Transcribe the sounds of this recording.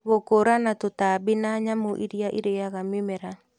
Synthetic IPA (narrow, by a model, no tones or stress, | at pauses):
βokoɾanatotabɪnaɲamoʔiɾjaʔiɾeaɣamɪmɛɾa